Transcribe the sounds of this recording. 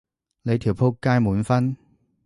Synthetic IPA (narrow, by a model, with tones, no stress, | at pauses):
le˨˧jt̪ʰi˨˩wpʰo˥kːaː˥jmuː˨˧nfɐ˥n